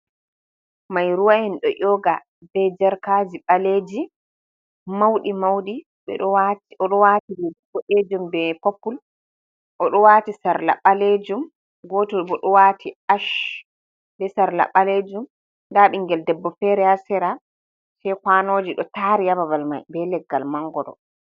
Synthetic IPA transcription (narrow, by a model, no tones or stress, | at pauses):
majɾuwaɛnɗɔʔɔɡa | bɛd͡ʒaɾkad͡ʒiɓaleːd͡ʒi | mawɗimawɗi | ɓɛ̰ɔwaɔɗɔwatibɛdɛbːɔʔed͡ʒumbɛpopːul | ʔɔɗɔwaːtisaɾla̰ɓaled͡ʒum | ɡɔːtɔbɔɗɔwatʰiaʃ | bɛsaɾla̰ɓaled͡ʒum | ndaɓiŋɡɛldɛbːɔfɛɾɛhasɛɾa | sɛkwanoːd͡ʒiɗɔtaɾijababalma̰jbɛlɛɡːalmaŋɡɔɗɔ̰